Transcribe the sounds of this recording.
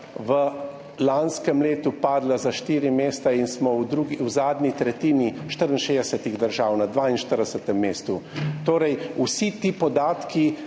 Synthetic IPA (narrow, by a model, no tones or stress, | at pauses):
ʋə | lanskɛmleːt̪upaːd̪lazaʃt̪iːɾimeːst̪ainsmɔwd̪ɾuɡiwzaːd̪nit̪ɾɛt̪iːniʃt̪əɾinʃed̪ɛsɛt̪iɣd̪əɾʒaːwnad̪ʋainʃt̪əɾd̪ɛsət̪ɛmːeːst̪ut̪oːɾɛjusit̪iːpɔd̪aːt̪ki